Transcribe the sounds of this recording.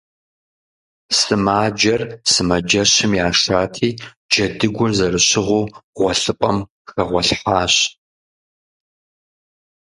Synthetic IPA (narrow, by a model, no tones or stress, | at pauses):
sɨmaːd͡ʒɐrsɨmɐd͡ʒɐɕɪmjaːʂaːtʰiː | d͡ʒɐdɨɡʷʊrzɐrɨɕɪʁʷuːʁʷɔɬɨpʼɐm | xɐʁʷɔɬħaːɕ